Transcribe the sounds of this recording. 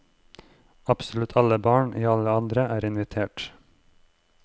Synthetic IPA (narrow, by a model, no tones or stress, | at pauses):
ɑpsɔlʉt̪ʰɑləbɑːɳʔiːɑləɑnd̪ɾəʔæːɾɪnʋɪt̪ʰeːʈ